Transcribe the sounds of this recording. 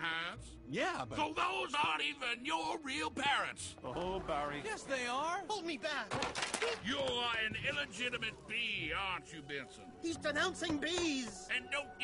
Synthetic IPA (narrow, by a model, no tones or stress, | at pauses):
æts | jæsoʊðoʊzəɾivɪ̃njə˞ɹilˠpʰɛɹɨ̰̃ntsobɛɹijɛsðeɪə˞hoʊlˠd̚mibæk | jəɨ̃nɪlˠəd͡ʒɪɾɨmɨt̚b̥iɑnt͡ʃɨbɛ̃nsɨ̰̃nhizdɨnãʊ̃nsɪ̃ŋbiz̥ɨ̃ndõʊ̃n